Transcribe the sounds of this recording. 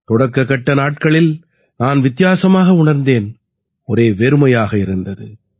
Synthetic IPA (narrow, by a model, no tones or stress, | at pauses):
t̪ɔɽɐkːɐkːɐʈːɐnaːʈ̚kɐɭɪl | naːnʋɪt̪ːɪjaːsɐmaːɣɐʊɳɐɾnd̪eːn | ɔɾeːʋeɾɯmɐjaːɣɐɪɾɯnd̪ɐðɯ